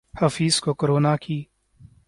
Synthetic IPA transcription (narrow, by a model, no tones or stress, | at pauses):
hafiːz̥kokoɾoːnakʰiː